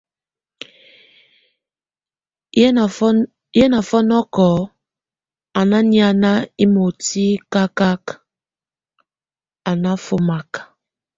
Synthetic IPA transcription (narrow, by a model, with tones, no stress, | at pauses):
ɛ˦na˨fɔ˦nɔ˦kɔ˨˦ | a˨na˦ni˦a˦na˦i˦mo˨ti˦ka˦ka˦k | a˨na˦fo˦ma˨k